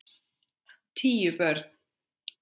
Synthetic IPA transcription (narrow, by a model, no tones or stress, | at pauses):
t̪ʰiːjʏpœɾt̪n̥